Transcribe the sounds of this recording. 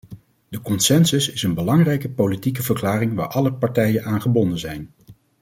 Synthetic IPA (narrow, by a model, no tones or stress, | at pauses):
d̥əkɔnsɛnsɵsɪsənbəlɑŋrɛjkəpowlitikəvəklaːrɪŋʋaːɹʔɑləpɑɹtɛjənaːnχəbɔndənzɛjn